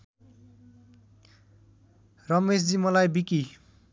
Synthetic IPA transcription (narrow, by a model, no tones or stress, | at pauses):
rʌmesd͡zimʌlajbiki